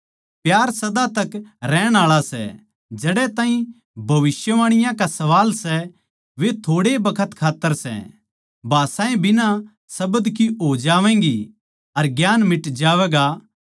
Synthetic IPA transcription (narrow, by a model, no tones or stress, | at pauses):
pjaːɾsɐd̪at̪ɐkɾɛːɽ̃aːɭasɛ̰ | d͡ʒɐɽɛt̪ãːɦĩ | bʱɐʋɪsjəʋaːɽ̃ɪjãkasɐʋaːlsɛ | ʋet̪ʰoːɽebɐkʰət̪kʰaːt̪ːəɾsɛ̰ | bʱaːsãːẽbɪnã | sɐbəd̪kiɦoːd͡ʒaːʋɛ̃ːŋɡi | ɐɾɡjaːnmɪʈd͡ʒaːʋɛːɡa